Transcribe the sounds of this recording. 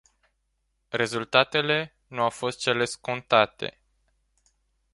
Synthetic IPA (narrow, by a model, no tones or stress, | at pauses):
re̞zult̪at̪e̞le̞ | nuawfo̞st̪̚t͡ʃe̞le̞sko̞nt̪at̪e̞̰